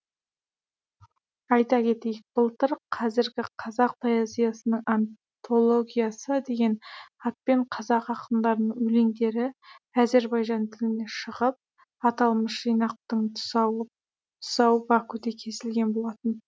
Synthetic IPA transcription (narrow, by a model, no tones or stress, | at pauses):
ɑjt̪ɑkʲʰe̞t̪e̞jɪk̚b̥əlˠt̪əɾqʰɑzɪɾɡʲɪqʰɑzɑq̚p̪ʰajɑzijɑsənəɴɑn | t̪ʰo̞lˠo̞ɡʲijɑsəd̪e̞ɡʲe̞nɑt̪̚pe̞ɴqʰɑzɑqɑqənd̪ɑɾənəɴɵle̞ŋd̪e̞ɾɪæze̞ɾbɑjʒɑnt̪ʰɪlɪne̞ʃəʁəp̚ | ɑt̪ɑlˠməsʒijnɑq̚t̪əɴw | t̪ʰʊ̥sɑwbɑkʰɵd̪ekʲʰe̞sɪlɡʲe̞nbo̞lˠɑt̪ən